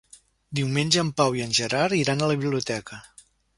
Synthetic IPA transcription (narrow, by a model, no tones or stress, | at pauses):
d̪iwmenʲʒəəmpawiənʲʒəɾaɾiɾanələβiβliut̪ɛkə